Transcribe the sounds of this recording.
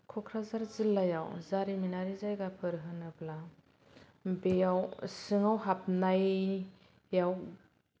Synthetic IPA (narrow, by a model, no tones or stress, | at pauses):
kʰɔkʰɾazaɾzɯlːajawzaɾininaɾizajɡapʰɯɾɦɯnɯpla | bejawsɯŋawɦap̚naj | jaw